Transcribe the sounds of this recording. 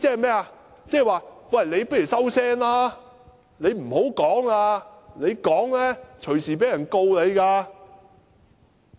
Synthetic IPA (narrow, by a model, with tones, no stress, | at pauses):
t͡sɛː˥˨mɛː˥a˧ | t͡sɛː˥˨˩waː˨˧wɐ˨jle˨˧jpɐ˥jy˨˩sɐ˥wsɛː˥ŋlaː˥ | le˨˧jm̩˨˩ho˨˥wkɔː˨˥ŋaː˧le˨˧jkɔː˨˥ŋlɛː˥t͡ʃʰɵ˨˩ɥsiː˨˩p̬e˨˥jɐ˨˩nko˧wle˨˧jkaː˧